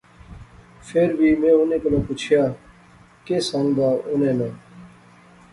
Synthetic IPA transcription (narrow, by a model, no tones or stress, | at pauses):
fʰeːɾbʱiːmẽːʊnẽkolaput͡ʃʰjaː | keːsãŋd̪aːʔʊnẽːnãː